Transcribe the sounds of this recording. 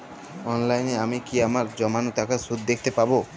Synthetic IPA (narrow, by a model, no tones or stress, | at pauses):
ɔnlajneamikiamaɾd͡ʑɔmanot̪akasud̪̚d̪ek̚ʰt̪epabo